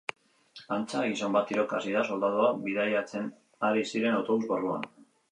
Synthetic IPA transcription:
ant͡saɣisombat̪iɾo̞kasiðaso̞ld̪að̞oaβiðajat͡se̞n | aɾisiɾe̞nawt̪o̞βuzβorua̰n

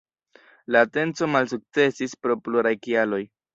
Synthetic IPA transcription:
laːte̞nt͡so̞malsuk̚t͡se̞sispɾo̞pluɾajkialo̞j

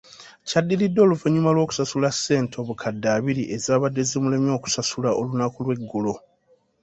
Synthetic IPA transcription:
cadːilidːo̞ːluvuɲumalwo̞ːku̥sasulasːe̞ːntʰo̞ːβukʰadːaːβiɾiʔe̞zaːβadːe̞zemulemjo̞ːku̥sasulaʔolunakulwe̞ɡːulo̞

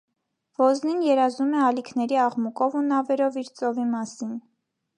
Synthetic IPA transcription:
v̥ɔzninjɛɾɑzumɛɑlikʰnɛɾiɑʁmukɔvunɑvɛɾɔviɾt͡sʼɔvimɑsin

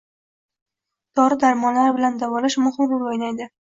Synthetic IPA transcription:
d̪̥ɒɾɪd̪aɾmɒnlaɾbɪland̪avɒlɪʃmʊhɪmɾʊɾojlajd̪ɪ

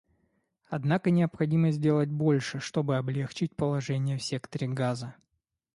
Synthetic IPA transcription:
ɐd̪nakənʲɪɐpxɐdʲiməzʲdʲelˠət̚ʲbo̞lʲʂɨʂt̪o̞bɨɐblʲext͡ɕɪt̚ʲpəlˠɐʐɛnʲɪjəfsʲe̞kt̪əɾʲɪɡazə

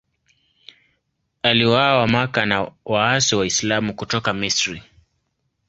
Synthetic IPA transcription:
aliwawamakanawaasiwaislamukutɔkamisɾi

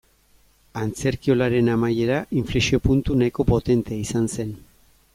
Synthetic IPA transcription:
ant͡se̞ɾkio̞laɾe̞namaje̞ɾaʔiɱflesio̞punt̪unajko̞po̞t̪e̞nt̪eaisanse̞n

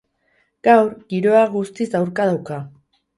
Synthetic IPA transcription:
ɡ̥awɾɣiɾo̞aɣust̪izd̪awɾkað̞awka

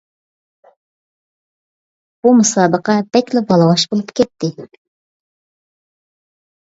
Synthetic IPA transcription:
b̥umɨsɑːbəqɑbɛt̪lɪbɑlˠɑwɑʃbolˠupkʰʲɛt̪ːɪ

